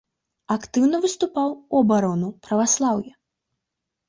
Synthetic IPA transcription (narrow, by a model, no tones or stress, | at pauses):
akt̪ɨwnɐvɨst̪upawuɐbaɾɔnupɾɐvaslˠawjɛ